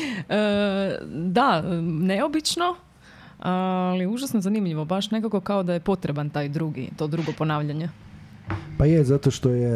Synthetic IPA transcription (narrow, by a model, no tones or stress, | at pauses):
ə | d̪aneo̞bit͡ʃno̞ | aliuʒasnozanimʎiʋo̞baʃne̞kako̞kao̞d̪ajepo̞t̪ɾe̞bant̪ajd̪ɾuɡḭt̪o̞d̪ɾuɡo̞po̞naːʋʎaɲe | pajezat̪oʃt̪oje